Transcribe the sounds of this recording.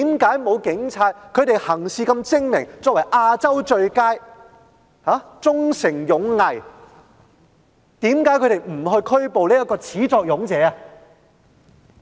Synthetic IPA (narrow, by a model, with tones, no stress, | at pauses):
t̪ːmkaː˨˥jmo˨˧wkɪ˨˥ŋt͡sʰaː˧t̚kʰɵ˨˧t̪e˨jhɐ˨˩ŋsiː˨˧kɐ˧mt͡sɪ˥ŋmɪ˨˩ŋt͡sɔː˧˨k̚wɐ˨˩jʔaː˧t͡sɐ˥wt͡ʃɵ˧ɥkaː˥j | haː˨˥t͡sʊ˥ŋsɪ˨˩ŋjʊ˨˥ŋːɐ˨˩j | t̪iː˨˥mkaː˨˥jkʰɵ˨˧t̪e˨jm̩˨˩hɵ˧ɥkʰɵ˥ɥpo˨wliː˥jɐ˥t̚kːɔː˧t͡sʰiː˨˥t͡sɔː˧k̚jʊ˨˥ŋt͡sɛː˨˧a˧